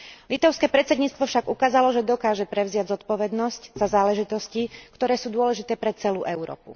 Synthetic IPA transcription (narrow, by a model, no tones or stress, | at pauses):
lit̪aʊskɛːpɾɛt̪t͡sɛd̪ɲiːt͡st̪ʋɔfʃaɡukaːzalɔʒɛd̪ɔkaːʒɛpɾɛʊzɪaɟzɔt̪pɔʋɛd̪nɔscz̥azaːlɛʒit̪ɔscikt̪ɔɾɛːsuːd̪ʊɔlɛʒit̪ɛːpɾɛt͡sɛluːʔɛʊɾɔ̰ːpṵ